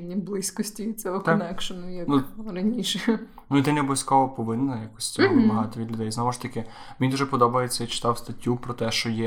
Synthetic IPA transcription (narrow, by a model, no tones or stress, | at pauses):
nʲiblˠɪsʲkɔsʲtʲiʋit͡sʲɔɦɔk̪ɔnɛkʃɐnʊjɐnuɾɐnʲiʃɛ | nuid̪ɛnʲɔbɔsʲkɔʋɔpɔʋɪnːɐjakɔsʲɔbɐɦɑt̪ɔʋʲid̪ʲlʲʊd̪ɛjznɔʋɔʃt̪ɐkɪmʲinʲd̪uʒɛpɔd̪ɔbɐjet͡sʲːɐit͡ʃɪ̥t̪ɑwst̪ɐtʲːupɾɔt̪ɛʃt͡ʃɔjɛ